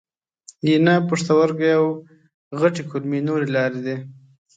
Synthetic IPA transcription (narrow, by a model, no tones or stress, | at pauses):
jinapoʂt̪awaɾɡajaw | ɣaʈikʰulmenoɾelɑɾed̪e